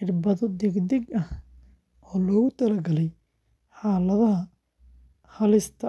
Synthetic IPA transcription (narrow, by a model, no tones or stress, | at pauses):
ɪrbɐðɔd̪ɛɡd̪ɛɡɐh | ɔːlɔːɣʊt̪ʰɐlɐɡɐlɛj | ħaːlɐðɐɦɐ | hɐlɪst̪ʰɐ